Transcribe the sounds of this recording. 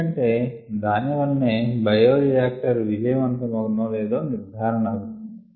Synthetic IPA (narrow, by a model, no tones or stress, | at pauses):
ɐɳʈe̞ː | d̪aːniʋɐnːeːbɐjoːdijaːk̚ʈɐɾʋid͡ʒɐjɐmɐnt̪ɐmɐɡɐnɐːleːd̪oːniɾd̪ʱaːɾɐɳɐluund̪i